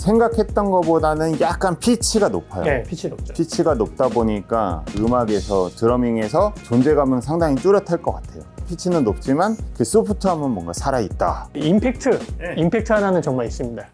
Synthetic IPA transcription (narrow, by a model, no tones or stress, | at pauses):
sʰe̞ŋɡakʰe̞t̚t͈ʌnɡʌbodanɯnjak̚k͈anpʰit͡ɕʰiɡanopʰajopʰit͡ɕʰpʰit͡ɕʰiɡanop̚t͈aboɲik͈a̰ɯmaɡe̞sʰʌtɯɾʌmiŋe̞sʰʌt͡ɕond͡ʑe̞ɡamɯnsʰaŋdaŋit͈uɾjʌtʰaɭk͈ʌk͈atʰe̞jopʰit͡ɕʰinɯnːop̚t͡ɕ͈imankes͈upʰutʰoɦamʌnmwʌnɡasʰaɾait̚t͈a̰impʰek̚tʰɯimpʰek̚tʰɯananɯnt͡ɕʌŋmaɾis͈ɯmɲida